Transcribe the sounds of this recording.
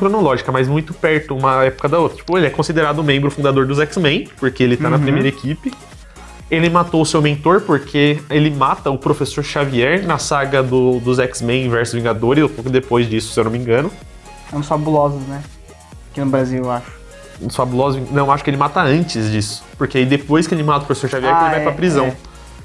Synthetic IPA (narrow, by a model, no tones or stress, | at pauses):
kɾonolɔʒikɐmajzmũj̃t̪ʊpɛɾt̪ʊũmɐɛpʊkɐd̪ɐot̪ɾɐt͡ʃi̥pʊelɪɛkõsid̪eɾad̪ʊmẽmbɾʊfũnd̪ad̪oɾd̪ʊzɛksmẽj̃poɾkeelɪt̪anɐpɾimejɾɐekipɪ | elɪmat̪oʊsewmẽnt̪oɾpoɾkʰeelɪmat̪ɐʊpɾofesoɾʃaviɛɾnɐsaɡɐd̪ʊd̪ʊzɛksmẽj̃ĩvɛɾsʊzvĩɡad̪oɾɪzʊp̪okʊd̪epojzd͡ʒisʊ̥sewnõmĩŋɡɐ̃nʊ | sɛ̃sfabulɔzʊsnɛ | akinʊbɾaziwewaʃʊ̥ | ũsfabulɔzʊzvĩɡnɐ̃w̃eaʃʊ̥kɪelɪmat̪ɐɐ̃nt͡ʃɪzd͡ʒisʊ̥poɾkeaid̪epojskɪelɪmat̪ɐʊpɾofe̥soɾʃaviɛɾelɪvajpɾpɾizɐ̃w̃